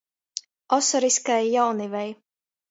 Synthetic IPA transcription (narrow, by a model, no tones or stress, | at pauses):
ɔsɔɾiskajːawnivɛj